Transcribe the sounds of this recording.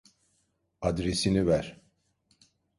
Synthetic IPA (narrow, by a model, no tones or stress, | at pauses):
ad̪ɾesinivæɾ̥